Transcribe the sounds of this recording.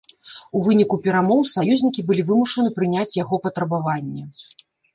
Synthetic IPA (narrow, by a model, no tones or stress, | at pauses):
uvɨnʲikupʲɛɾamɔwsajuzʲnʲikʲibɨlʲivɨmuʂɐnɨpɾɨnʲat͡sʲjaɣɔpɐt̪ɾɐbavanʲːɛ